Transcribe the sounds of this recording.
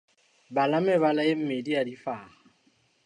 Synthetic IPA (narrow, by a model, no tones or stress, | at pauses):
balamɪβalaem̩mediadifaːha